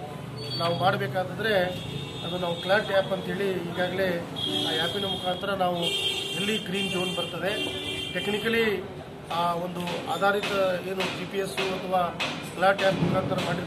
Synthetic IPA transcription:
naːʋumaːɽbeːkaːd̪ɐd̪ɐɾe̞ | ɐd̪unaːʋuklaːɾʈaːpɐnt̪ɐɦe̞ːɭiɦiːɡaːɡle̞ː | aːjaːpinɐmukʰaːnt̪ɐɾɐnaːʋuɦelːiɡɾiːnd͡ʒoːnbɐɾt̪ɐd̪e̞ʈeknikɐli | aːo̞nd̪uaːd̪ʱaːɾit̪ɐeːnud͡ʒipijesuɐt̪ʰɐʋaːklaːʈaːpnilaːnt̪ɐɾɐmaːɽiɾ

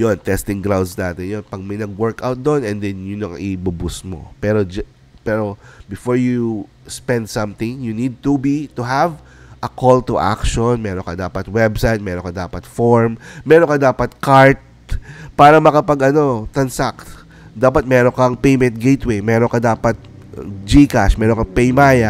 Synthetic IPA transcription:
jont̪ɛst̪ɪŋɡɾawd̪snaːt̪ɪnjonpɐɡ̚mɐjnɐɡ̚wɛɹkʔawt̪̚d̪onɛnd̪ɛnjʊnɐŋʔɪbʊbʊsmo̰pɛːɾod͡ʒ | pɛːɾobɪfoɹju | spɛnd̪̚sɐ̃mt̪ɪ̃ŋjunid̪̚t̪ubit̪ʊɦav | ʔɐkʰolt̪ʊʔa̰kʃonmɛːɾoŋkɐd̪aːpɐt̪wɛbsajt̪̚mɛːɾoŋkɐd̪a̰ːpɐt̪foɹmmɛːɾonkɐd̪aːpɐt̪̚kaɹt̪̚ | paːɾɐmɐkɐpɐɡɐno̞t̪ɐnsak | d̪aːpɐt̪̚mɛɾoŋkɐŋpejmɛnt̪̚ɡejt̪wejmɛːɾoŋkɐd̪aːpɐt̪̚ | d͡ʒikaʃmɛːɾoŋkɐpɛjmaːjɐ

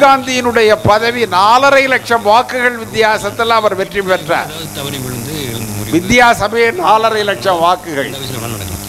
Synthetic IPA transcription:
ɡaːnd̪ɪjɪnɯɽɐjɐpɐðɐʋinaːlɐɾɐjɪlɐkʂɐmʋaːkɯɣɐɭʋɪt̪ːɪjaːsɐt̪ːɐlɐʋɐɾʋɛʈripɛʈra̰ːɾ | ʋɪt̪ːjaːsɐmeːnaːlɐɾɐɪɪlɐkʂɐmʋaːkɯɣɐ̰ɭ

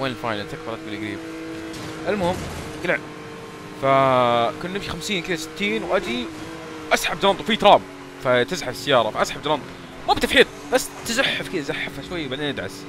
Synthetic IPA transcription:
weːnfajnalt̪akbɑɾʔat̪̚bɪlʔaɡɾiːb | ʔalmʊhɪmː | ɡlɪʕ | fakʊnːɪmʃixamsiːnkɪd̪asɪ̥t̪ːiːnwʔad̪i | ʔasħabd̪ɑlɑnt̪ˤwfit̪ɾˤɑːm | fat̪ɪzħafɪsːɪjːɑːɾˤɑfaʔasħabd͡ʒ̪ɑlɑnt̪ˤ | muːbɪt̪afħiːt̪ˤbasːt̪ɪzaħːafkɪd̪azaħːafhaʃwajːwbaʕd̪eːnʔad̪ʕa̰s

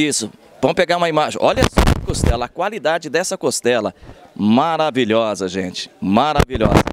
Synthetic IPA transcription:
isʊ | vɐ̃w̃ʊpeɡaɾũmɐimaʒẽʔɔʎɐsɔbɐkost̪ɛlɐːkwalid̪ad͡ʒɪd̪ɛsɐkost̪ɛlɐ̰maɾaviʎɔzɐʒẽt͡ʃɪ̥maɾaviʎɔ̰zɐ

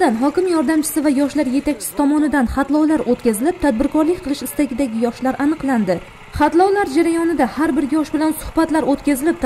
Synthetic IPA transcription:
d̪anɦɒkʲɪmjɒɾd̪amt͡ʃʰɪ̥sɪvajɒʃlaɾje̞t̪ʰakʲt͡ʃʰɪ̥ɪ̥t̪ʰɒmɒnɪd̪anχat̪lˠɒwlaɾʔot̪kʲazɪlɪp̚t̪ʰad̪̚bɪɾkʰɒɾlɪkʲqʰɨlˠɪʃɪst̪aɡʲɪd̪aɡʲɪjɒʃlaɾʔanɨqlˠand̪ɪ | χɑt̪lˠawlaɾd͡ʒaɾajɒnɪd̪ahaɾbɪɾjɒʃbɪlansʊ̥hbat̪laɾot̪kʲʰazɪlɪp̚t̪

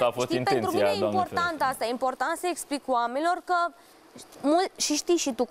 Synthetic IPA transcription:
afost̪iinpent̪ɾuminejimporant̪ast̪ajimpo̞rt̪ant̪səeksplikwamenʲilo̞rkə | mult̪ʃiʃt̪ijʃit̪u

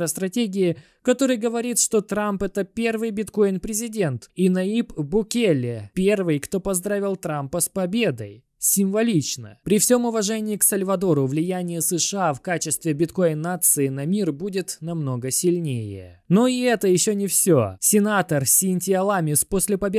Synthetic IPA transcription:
ɾəst̪ɾɐtʲeɡʲɪɪ | kɐt̪o̞ɾɨjɡəvɐɾʲit̪ʂt̪o̞t̪ɾampɛt̪əpʲe̞rvɨjbʲɪt̪ko̞ɪnpɾʲɪzʲɪdʲe̞nt̪inɐipbʊkʲelʲɪpʲe̞rvɨjkt̪o̞pɐzd̪ɾavʲɪlˠt̪ɾampəspɐbʲe̞d̪əj | sʲɪmvɐlʲit͡ɕnə̰pɾʲɪfsʲo̞mʊvɐʐɛnʲɪɪksəlʲvɐd̪o̞ɾʊvlʲɪjænʲɪjəsɨʂɨafkat͡ɕɪst̪vʲɪbʲɪt̪ko̞jɪnːat̪sɨɪnɐmʲirbudʲɪt̪nɐmno̞ɡəsʲɪlʲnʲejɪ̰ | no̞ɪɛt̪əjɪɕːonʲɪfsʲo̰sʲɪnat̪ərsʲɪnʲtʲɪɐlˠamʲɪsposʲlʲɪpɐbʲe

